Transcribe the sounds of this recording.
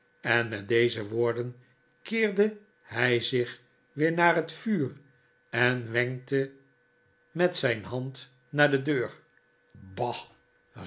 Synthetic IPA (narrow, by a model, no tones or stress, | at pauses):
ɛnmɛt̚dejzəʋoːɹdən | kɪːɹdə | hɛjzɪχ | ʋɪːɹnaːrɦətfyːr | ɛnʋɛŋk̚tə | mɛtsɛjnɦɑnt | naːɹdədøːɹ | bɑ